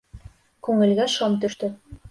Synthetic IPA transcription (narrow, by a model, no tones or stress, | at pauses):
kʉŋɘ̆lɡæʃomt̪ɵ̆ʃt̪ɘ